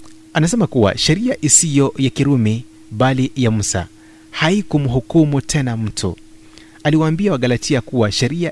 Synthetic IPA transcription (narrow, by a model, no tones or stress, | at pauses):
anasɛmakuwa̰ʃɛɾiaʔisijɔjakiɾumi | ɓalijam̩sa̰ | haikumuɦukumutʰɛnam̩tʰṵ | aliwaːmbiawaɠalatʰiakuwaʃɛɾia